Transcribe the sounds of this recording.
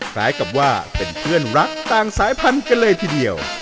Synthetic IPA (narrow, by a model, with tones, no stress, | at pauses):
kʰɾaː˦˥jka˨˩p̚waː˥˩pe˨˩npʰɯ˥˩ənɾa˦˥k̚t̪aː˧ŋsaː˨˦jpʰa˧nka˧nlɤː˧jt̪ʰiː˧˩di˧əw